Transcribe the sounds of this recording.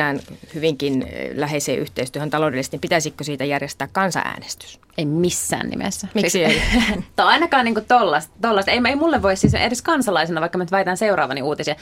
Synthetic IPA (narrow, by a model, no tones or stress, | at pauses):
æːnhyʋiŋkinlæheˑisḛːʔyht̪eist̪yøhænt̪ɑloˑdelist̪nimpit̪æsikkosiːt̪æjærjest̪æːkkɑnsɑ̰ʔæ̰ːnest̪y̥s | eimisːæ̰ːnnḭmḛsːæmisit̪oɑinɑkɑːniːŋkut̪olːɑst̪t̪olːɑst̪eimeimulːeʋʋoissisḛɾiskɑnsɑlɑisenɑʋɑikːɑmænyt̪ʋæjt̪ænseurɑ̰ːʋɑniuːt̪isiɑ